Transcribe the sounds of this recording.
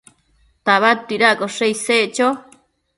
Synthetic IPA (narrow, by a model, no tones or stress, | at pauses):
t̪aβat̪iɾakoʂeiseʔt͡ʃo